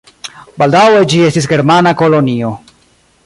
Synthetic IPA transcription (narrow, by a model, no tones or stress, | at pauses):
baldawe̞d͡ʒie̞stis̬ɡe̞ɾmanako̞lo̞nio̞